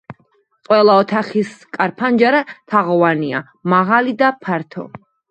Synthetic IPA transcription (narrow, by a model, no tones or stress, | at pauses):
qʼwɛlˠaɔt̪ʰaχiskʼaɾpʰand͡ʒaɾat̪ʰaʁɔvania̰ | maʁalid̪apʰaɾt̪ʰɔ̰